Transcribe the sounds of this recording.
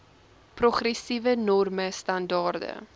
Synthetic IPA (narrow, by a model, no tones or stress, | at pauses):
prɔχrɛsivənɔrməstɐndɑːrdə̰